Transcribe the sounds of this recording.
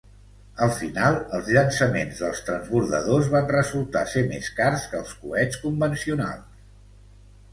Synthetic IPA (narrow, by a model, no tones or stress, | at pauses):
əlˠfinalˠəlˠzʎənsəmḛnzðəlˠst̪ɾənzβuɾðə̰ðozβanrəzulˠt̪a̰semḛskarskəlˠskṵɛt͡skumbənsiuna̰lˠ